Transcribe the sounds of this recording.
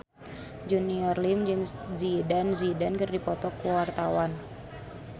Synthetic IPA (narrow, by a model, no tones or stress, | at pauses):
d͡ʒuniɔrlimd͡ʒɨŋzidanzidankɨrdipɔt̪ɔkuwart̪awan